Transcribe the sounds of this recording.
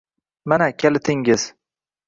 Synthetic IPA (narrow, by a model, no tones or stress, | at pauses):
manakʲʰelɪt̪ʰɪŋɡɪz̥